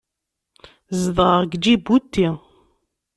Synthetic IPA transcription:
zðˤəʁɡd͡ʒibut̪ːi

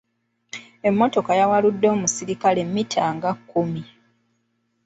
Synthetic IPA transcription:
e̞mːo̞to̞kajawaludːo̞ːmusiɾikale̞mːitʰaːŋɡakːumi

